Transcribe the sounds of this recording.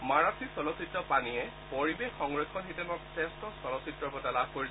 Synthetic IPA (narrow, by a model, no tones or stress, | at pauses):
maɹasʰisɔlɔsitɹɔpaniɛ | poɹibexːɔŋɹɔkʰːɔnɦitɛmɔksɛstɔsɔlɔsitɹɔpɔtalabʱkoɹi